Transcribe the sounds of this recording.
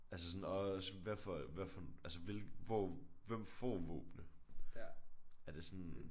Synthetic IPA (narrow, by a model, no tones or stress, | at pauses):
ʔæls̬əsɒ̽nɒsʋæɐfɒʋæɐfɒælsəʋe̝lɡ̥ʋɒʋem̰fɒ̰ːʋɔ̰ːb̥nə | æɐd̥e̝sɒn